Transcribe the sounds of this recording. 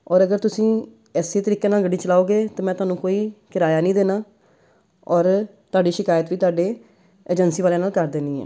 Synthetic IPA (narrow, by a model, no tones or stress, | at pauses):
ɔːɾəɡəɾt̪ʊsĩː | ɛːseːt̪əɾiːkeːnaːlɡəɖiːt͡ʃəlaːoːɡeːt̪eːmɛ̃ːt̪ʊaːnũːkoːiːkɪɾaːjaːnĩːd̪eːnaː | ɔːɾt̪ʊaːɖiːʃɪkaːjət̪ʋiːt̪ʊaːɖeː | eːd͡ʒənsiːʋaːleːnaːlkəɾd̪eːniːɦɛ̰ː